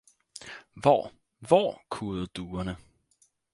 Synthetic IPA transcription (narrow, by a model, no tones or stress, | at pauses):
ʋɒ | ʋɒ̰kʰuːð̩ˠd̥uːɐnə